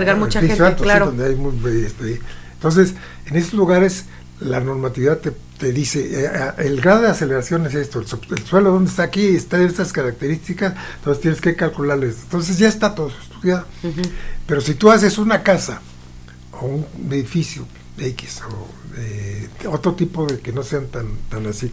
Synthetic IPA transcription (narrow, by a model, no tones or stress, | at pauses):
ɾɣaɾmuaieoat̪olond̪eajmujeest̪eent̪o̞ns̬es | ene̞sozluɣaɾes | lano̞ɾmat̪iβiðat̪e | t̪eðiseaelɡɾað̞o̞ðease̞le̞ɾasjo̞nese̞st̪oelsoḛlswe̞loðond̪est̪aːkiest̪aeest̪askaɾak̚t̪e̞ɾist̪ikasnt̪osest̪jeneske̞kalkulaɾlest̪ont̪o̞ns̬e̞z̬ʝaest̪at̪oðosuest̪uðjaðo | pe̞ɾo̞sit̪uas̬e̞sunakasa | ounbeðifisjo | eki̥so̰ | eo̞t̪ɾot̪ipoðekeno̞se̞ant̪ant̪anasi